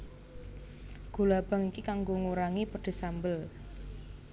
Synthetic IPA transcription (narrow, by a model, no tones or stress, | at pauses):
ɡ̥o̤lab̥a̤ŋikikaŋɡoŋuɾaŋipəɖ̥e̤sambəl